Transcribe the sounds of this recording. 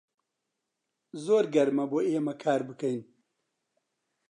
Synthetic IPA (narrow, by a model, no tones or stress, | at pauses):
zoːɾɡɐɾmɐboeːmɐkʰaːɾbɨkɐn